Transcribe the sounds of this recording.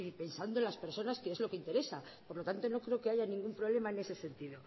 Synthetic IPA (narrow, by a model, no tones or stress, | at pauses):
ipe̞nsand̪olaspe̞ɾso̞naskeezlo̞ke̞int̪eɾe̞sapo̞ɾlo̞t̪ant̪o̞no̞kɾe̞oke̞aʝanĩŋɡumpɾole̞mae̞ne̞se̞se̞nt̪iðo̞